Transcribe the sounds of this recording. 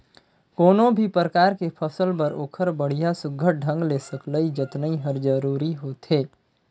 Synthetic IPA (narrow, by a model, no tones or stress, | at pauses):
koːnõbʱipɾəkaːɾkepʰəsəlpɐɾo̰ːkʰəɾbəɽ̤ijasʊɡʱəʈ̚ɖʱə̃ŋɡleːsəkləid͡ʒət̪nəĩɦəɾd͡ʒəɾuːɾiɦoːt̪ɦeː